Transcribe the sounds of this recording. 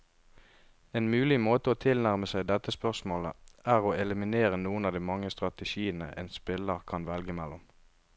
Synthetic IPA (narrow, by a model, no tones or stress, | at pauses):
eːnmʉːlɪmoːt̪əoːt̪ʰɪlnæʁməsæɪd̪ɛt̪ːəspœʁsmoːləʔæːʁoːɛləmɪneːʁənuːənɑːd̪iːmɑŋːəst̪ʁɑt̪əʃiːənə̰ʔeːnspɪləʁkʰɑnʋɛlɡəmɛlːʊm